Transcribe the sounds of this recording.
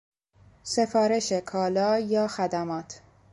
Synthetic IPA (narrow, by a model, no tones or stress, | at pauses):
se̞fɒːɾe̞ʃe̞kʰɒːlɒːjɒːxæd̪æmɒːt̪ʰ